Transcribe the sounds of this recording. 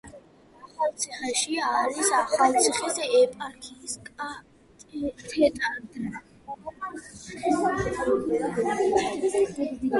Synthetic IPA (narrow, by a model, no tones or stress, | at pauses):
aχalt̪sʰiχɛʃiaːɾisaχalt̪sʰiχisɛɛpʼaɾkʰiskʼa | t̪ʰɛt̪ʼad̪